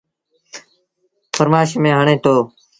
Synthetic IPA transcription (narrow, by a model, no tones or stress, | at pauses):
fʰəɾmaːʃmẽːɦəɳẽːt̪oː